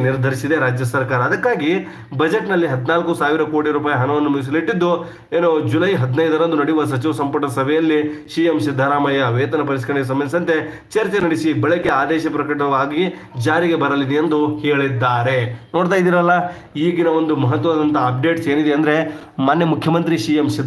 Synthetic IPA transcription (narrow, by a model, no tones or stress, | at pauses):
niɾd̪ʱɐɾisid̪e̞ɾaːd͡ʒjɐsɐɾkaːɾɐːd̪ɐkːaːɡi | bɐd͡ʒeʈnɐlːiɦɐd̪inaːlkusaːʋiɾɐkoːʈiɾuːpaːjɐɦɐnɐʋɐnːumus̬iliʈːid̪ːu | eːnoːd͡ʒulɐjɦɐd̪inɐjd̪ɐɾɐnd̪unɐɽijuʋɐs̬ɐt͡ʃiʋɐsɐmpɐʈːɐsɐbʱɛjɐlːiʃiːjemsid̪ʱːɐɾaːmɐjɐʋeːt̪ɐnɐpɐɾiskɐɾɐɳeɡes̬ɐmːɐnd̪isɐnt̪e̞ | t͡ʃɐɾt͡ʃenɐɽisibɐɭikeaːd̪ɛːʃɐpɾɐkɐʈ̬ɐʋaːɡi | d͡ʒaːɾiɡe̞bɐɾɐlid̪ejend̪uheːɭid̪ːaːɾe̞noːɽt̪aːjd̪iːɾɐlːɐ | iːɡinɐo̞nd̪umɐɦɐt̪ːʋɐʋaːd̪ɐnt̪ɐːp̚ɖe̞ːʈseːnid̪eɐnd̪ɾe̞ | maːnjɐmukʰjɐmɐnt̪ɾiʃiːjemʃid̪ʱ